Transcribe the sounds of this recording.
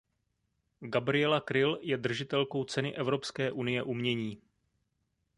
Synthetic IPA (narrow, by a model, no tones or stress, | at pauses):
ɡabɾɪjɛlakɾɪljɛd̪r̩ʒɪt̪ɛlko̞wt͡sɛnɪʔɛvɾo̞pskɛːʔunɪjɛʔumɲɛɲiː